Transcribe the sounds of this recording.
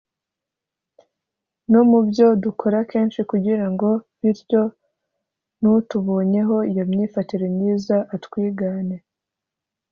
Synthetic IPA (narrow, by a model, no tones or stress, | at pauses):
nomubjo̞dukʰo̞ɾake̞ːnʃikuɟiɾaŋɡo̞βiɾɟo̞ | nutuβo̞ːɲe̞ɦo̞ijomɲiːfatiɾemɲiːzaʔatkwiːɡaːne̞